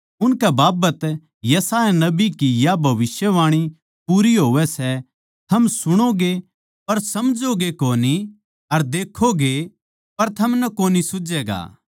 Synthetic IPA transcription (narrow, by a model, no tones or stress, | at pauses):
ʊnkɛbaːbət̪ | jɐsaːjanɐbikijabʱɐʋɪsjəʋaːɽ̃i | puːɾiɦoːʋɛsɛ | t̪ʰɐmsʊɽ̃oɡe | pɐɾsɐmd͡ʒoɡekoːni | ɐɾd̪eːkʰːoɡe | pɐɾt̪ʰɐmnɐkoːnisʊd͡ʒɛːɡa̰ː